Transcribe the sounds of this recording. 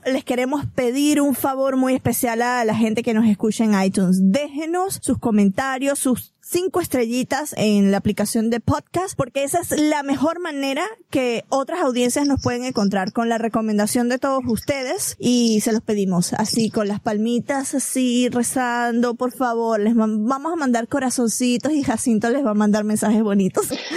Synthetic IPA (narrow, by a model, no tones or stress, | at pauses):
le̞ske̞ɾe̞mo̞spe̞ðiɾuɱfaβo̞ɾmuje̞spe̞sjalalaxe̞nt̪e̞ke̞no̞s̬e̞skut͡ʃaeŋajt̪unsd̪e̞xeno̞sːusko̞mẽnt̪aɾjosːusːiŋkoe̞st̪ɾe̞ʝit̪aseŋlaːplikasjo̞nd̪e̞pod̪kaspo̞ɾke̞esaeslame̞xo̞ɾmãne̞ɾake̞o̞t̪ɾasawðje̞nsjasno̞spwe̞ð̞eŋe̞ŋko̞nt̪̬ɾaɾko̞nlare̞ko̞mẽnd̪asjo̞nd̪e̞t̪o̞ð̞osust̪e̞ðe̞sise̞lo̞spe̞ðimo̞sa̰siko̞nlaspalmit̪asasire̞sand̪o̞po̞ɾfaβo̞ɾle̞zabamo̞samãnd̪aɾko̞ɾaso̞nsit̪o̞sixasint̪o̞le̞zβamãnd̪aɾmensaxe̞zβo̞nit̪o̞s